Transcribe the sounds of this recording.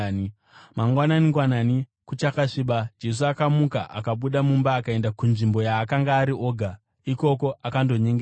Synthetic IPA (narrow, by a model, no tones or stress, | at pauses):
maŋɡwananiŋɡwananikut͡ʃakaʂiɓad͡ʒe̞s̬uakamuka̰ʔa̰kaɓuɗamumbaːkae̞ndakunʐimbo̞jaːkaŋɡaːɾiʔo̞ːɡʱa | iko̞ko̞ʔakando̞ɲe̞ŋɡe